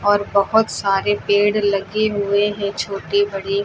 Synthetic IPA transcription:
ɔːɾbɐɦʊt̪saːɾepeːɽlɐɡeɦʊeɦɛ̃t͡ʃʰoːʈebɐɽi

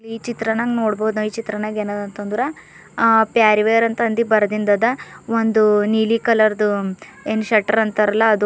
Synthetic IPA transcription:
iiːt͡ʃit̪ɾɐnɐŋɡnoːɽboːud̪unoiːt͡ʃit̪ɾɐnaɡenɐd̪ɐnt̪ond̪uɾɐ | pjaːɾiʋejɐɾɐnt̪ɐnd̪ibɐɾɐd̪ind̪ɐd̪ɐond̪uniːlikɐlɐɾd̪u | eːnʃɐʈːɐɾɐnt̪ɐɾɐlːɐːd̪u

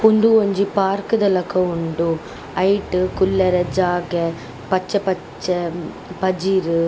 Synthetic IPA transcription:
ʊɳɖuɔɲd͡ʒipaːɾkɯd̪ɐlɐkːɐʊɳɖu | ɐɪʈːɯkʊlːɐɾɐd͡ʒaːɡɐ | pɐt͡ʃːɐpɐ | t͡ʃːɐ | pɐd͡ʒiɾɯ

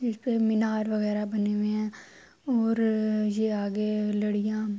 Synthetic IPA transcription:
d͡ʒɪspemɪnaːɾʋəɣɛːɾabəneːʋẽɦɛ̃ː | ɔːɾjeːaːɡeləɽɪjãː

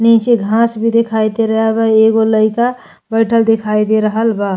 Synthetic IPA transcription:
nit͡ʃeɡʱãsbʱid̪ekʰajt̪eɾəɦɛbaeɡoləɪka | bəɪʈʰəld̪ekʰajd̪eɾəɦəlba

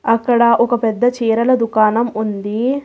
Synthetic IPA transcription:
ɐkːɐɽɐʔɔkɐpɛd̪ːɐt͡ʃiːɾɐlɐd̪ukaːnɐmund̪i

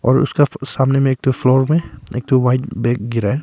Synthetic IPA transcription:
ɔ̰ːɾʊ̰skasamnemẽːk̚t̪oflɔːɾmẽḛk̚t̪owaɪʈbɛk̚ɡɪɾaɛ

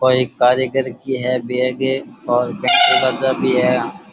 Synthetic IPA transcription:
oːɦikaːɾəɡəɾkiɦɛbeːɡeɔːɾpẽːɳskad͡ʒabʱiɦɛ

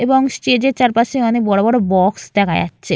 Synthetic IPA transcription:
eboŋsʈed͡ʑeɾt͡ɕaɾpaʃeɔnek̚bɔɽobɔɽobɔksd̪ɛkʰaj̰a̰tːɕʰe

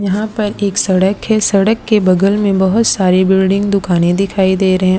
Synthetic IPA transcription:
jɐɦãpɐɾeːksɐɽəkɦɛsɐɽəkːebɐɡəlmẽbɐɦʊt̪saːɾebɪlɖɪ̃ŋɡ̚d̪ʊkaːnẽd̪ɪkʰaːid̪eːɾɐɦɛ̃

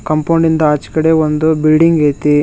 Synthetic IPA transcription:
kɐmpɐwɳɖind̪ɐaːt͡ʃi̥kɐɽe̞ond̪ubilɖiŋɡeːt̪i

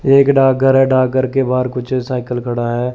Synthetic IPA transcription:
eːkɖaːɡəɾɦɛɖaːɡəɾkebaːɾkʊt͡ʃʰesaːɪkəlkʰəɽaɦɛː

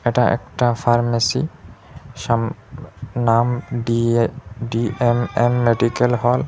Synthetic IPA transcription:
ɛʈaʔɛ̰kʈafʰaɹmesḭ | ʃam | namɖiɖiememːeɖikelɦɔl

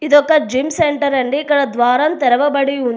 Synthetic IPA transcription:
id̪ɔkːɐd͡ʒimseɳʈɐɾɐɳɖiːkːɐɽɐd̪ʋaːɾɐmt̪ɛɾɐʋɐbɐɽiund̪

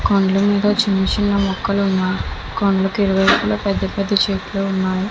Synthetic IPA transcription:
koɳɖlɐmiːd̪ɐt͡ʃinɐt͡ʃinːɐmɔkːɐlunːaːji | koɳɖlɐkiɾuʋɐjɐkuloːpɛd̪ːɐpɛd̪ːɐt͡ʃeːʈloːunːaːji

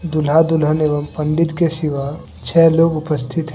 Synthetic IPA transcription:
d̪ʊlɦad̪ʊlɦəneːʋəmpɐ̃ɳɖɪt̪kesɪʋa | t͡ʃʰɛːloːɡʊpəst̪ʰɪt̪ɦ

